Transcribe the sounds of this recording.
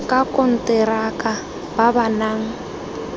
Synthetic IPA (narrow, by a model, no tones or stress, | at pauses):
kʼakʼɔn̩tʼɛɾakʼa | babanaːŋ̩